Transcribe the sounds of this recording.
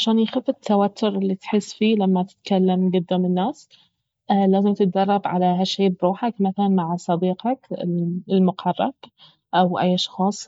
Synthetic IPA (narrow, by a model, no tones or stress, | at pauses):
ʕaʃaːnjxafɪt̪ʰːawat̪ʰːʊɾɪlːit̪ħɪsːfiːlamːat̪ɪ̥t̪kalːamɡɪd̪ːamɪnːaːs | ʔlaːzɪmt̪ɪt̪̚ɡɑrˤːɑbʕa̰laɦaʃːeːbɾuːħakmaθalanmaʕsˤɑd̪iːqɑkɪɪlmʊqʰɑrˤːɑ̰b̥ | ʔawʔa̰jːʔɑʃxɑːsˤ